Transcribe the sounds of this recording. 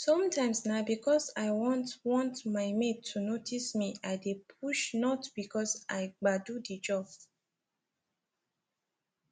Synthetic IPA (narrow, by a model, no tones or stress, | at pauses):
sɔ̃mtʰãɪ̃msnabikʰɔsaɪwɔ̃ntwɔ̃ntmaɪmeunotʰismiaɪdepʰuʃnɔtb̥ikɔsʔaɪɡ͡badudid͡ʒɔb